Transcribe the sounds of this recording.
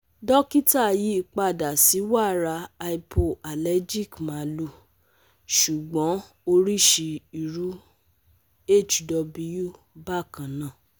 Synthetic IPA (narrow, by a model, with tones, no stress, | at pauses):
dɔ˦ki˦ta˦˨ji˦k͡pa˧˨da˨si˨˦wa˦˨ɾa˧a˧i˧pʰo˧˨a˨lɛ˦d͡ʒi˦˨kmã˨˦lu˧˨ | ʃu˨ɡ͡bɔ̃˨˦ | o˧ɾi˦ʃi˧i˨ɾu˨˦ | e˦˨t͡ʃdɔ˧bu˧ju˦˨ | ba˦˨kã˨nã˦˨